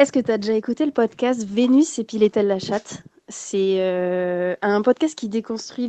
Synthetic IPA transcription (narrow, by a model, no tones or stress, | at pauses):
ɛskət̪yad̪eʒaekut̪eləpɔd̪kʲast̪venɥisepilet̪ɛlːaʃat̪ | sɛø | ɛ̃pɔd̪̚kʲast̪̚kʲid̪ekɔ̃st̪χɥi